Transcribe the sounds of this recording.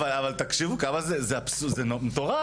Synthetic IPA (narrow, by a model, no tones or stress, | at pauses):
alavalt̪akʃivukamazezeapsuzenomt̪oʁa